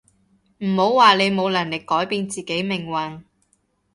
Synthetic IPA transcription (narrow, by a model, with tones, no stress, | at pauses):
m̩˨˩ho˨˥wwaː˨le˨˧jmo˨˧wlɐ˨˩nlɪ˨kːɔː˨˥jpiː˧nt͡siː˨ke˨˥jmɪ˨˩ŋwɐ˨ŋ